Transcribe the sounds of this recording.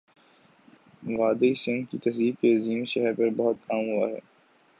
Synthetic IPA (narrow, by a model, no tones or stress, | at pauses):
ʋaːd̪eisɪ̃ŋɡkit̪ɐsd̪iːb̚k̪eːziːmʃɛɦɛɾpɐɾbɐɦʊt̪̚kaːmɦʊa̰ɦɛ̰ː